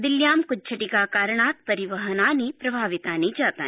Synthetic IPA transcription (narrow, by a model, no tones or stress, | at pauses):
d̪ɪljaːmkʊt͡ʃʰɐʈikaːkaːɾɳaːt̪̚pɐɾiʋɐɦɐnaːnipɾɐbʱaːʋit̪aːnid͡ʒaːt̪aː